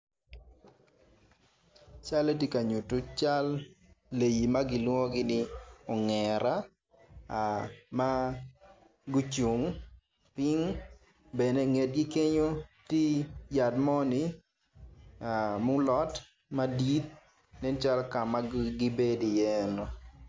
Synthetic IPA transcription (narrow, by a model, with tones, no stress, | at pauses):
t͡ʃa˦le˦ti˦ka˨ɲu˨tu˦t͡ʃa˦lː | e˨ji˨ma˦ɡɪ˨˦lwo˦ɡɪ˦nɪ˦ɔ˨ŋɛ˨ɾa˦˨ | ma˦ | ɡu˦t͡ʃu˨ŋ | pɪ˦ŋ | bɛ˨ne˨˦ŋe˨d̚ɡi˦ke˦ɲo˦ti˦ja˨dmɔ˦nɪ˦ | a˨mʊ˦lɔ˦t | ma˦di˦t̪̚ | nɛ˦nt͡ʃa˦lka˨ma˦ɡɪ˦be˦di˨jɛ˦nɔ˨